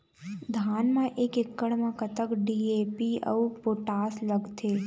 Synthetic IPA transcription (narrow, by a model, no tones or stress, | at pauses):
d̪ʱaːnmãʔeːkɪkːəɽmãkət̪əkɖiːeːpiə̰upoːʈaːslɐɡt̪ʰeː